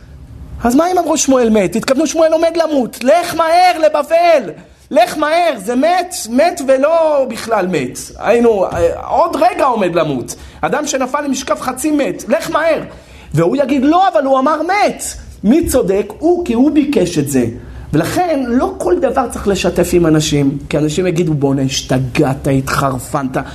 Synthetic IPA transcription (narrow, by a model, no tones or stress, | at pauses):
azmaimamʁuʃmue̞lme̞t̪ːit̪kavnuʃmue̞lo̞me̞d̪lamut̪leχmaeʁle̞bavelː | eχmaeʁzemet̪me̞tvelo̞biχlalme̞t̪a̰inuodʁeɡao̞me̞d̪lamṵt | ad̪amʃe̞nafalːemiʃkafχat͡sime̞t̪leχmae̞ʁ | veujaɡid̪lo̞avaluamaʁmet̪ | mit͡so̞d̪e̞kukihubikeʃe̞tze̞̰ | velaχe̞nlo̞ko̞ld̪avaʁt͡saχle̞ʃate̞fimanaʃimkianaʃimjaɡid̪ubo̞neʃt̪aɡat̪ait̪χaʁfanta